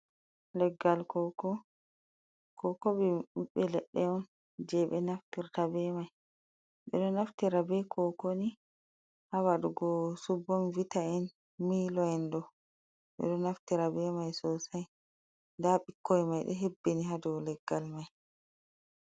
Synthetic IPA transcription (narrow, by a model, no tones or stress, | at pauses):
lɛɡːalkɔkɔ | kɔkɔɓɛɗuɓɛlɛɗːɛɔn | d͡ʒɛɓɛnaftiɾtabɛmaj | ɓɛ̰ɗɔnaftiɾabɛkʰɔkoni | hawaɗuɡɔsubːɔnvitaɛn | miːlɔɛndɔ | ɓɛ̰ɗɔnaftiɾabɛmajsɔsaj | ndaɓikʰːɔjmajɗɛɦebːeniɦadɔwlɛɡːalmaj